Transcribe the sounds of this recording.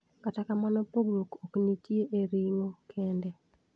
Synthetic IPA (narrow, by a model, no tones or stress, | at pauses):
katakamanɔpoɡɾokoknitjeʔeɾiŋokʰɛndɛ